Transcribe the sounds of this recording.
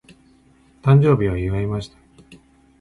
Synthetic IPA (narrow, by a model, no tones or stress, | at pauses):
t̪ãɲd͡ʑo̞ːbʲiβaɯɡaimaɕi̥t̪ḁ